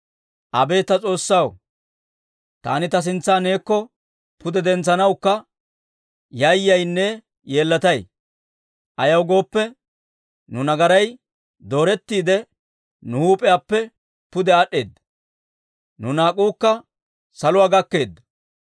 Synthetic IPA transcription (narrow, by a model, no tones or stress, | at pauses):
ʔɐbe̞ːt̪ːɐt͡sʼo̞ːsːɐw | t̪a̰ːnɪt̪ɐs̬ɪnt͡sːaːne̞ːkːɔ | pʊd̪ɛd̪ɛnt͡sːɐnɐwkːɐ | jɐjːɐjnːɛ | je̞ːlːɐt̪ɐj | ʔɐjɐwɡo̞ːpːɛ | nʊnɐɡɐɾɐj | d̪o̞ːɾɛt̪ːiːd̪ɛ | nʊhuːpʼɛjapːɛ | pʊd̪ɛɐɗːe̞ːd̪ː | nʊnaːkʼuːkːɐ | sɐlʊwaːɡɐkːe̞ːd̪ːɐ